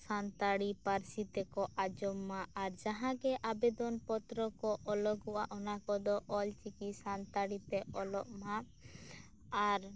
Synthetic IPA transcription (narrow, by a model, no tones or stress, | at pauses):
sant̪aɽipaɾsit̪ɛkɔʔad͡ʒɔmːaʔaɾd͡ʒaɦãɡɛʔabɛd̪ɔnpɔt̪ɾɔkɔʔɔlɔɡɔwaʔɔnakɔd̪ɔʔɔlt͡ʃikisant̪aɽit̪ɛɔlɔʔmaʔ | aɾ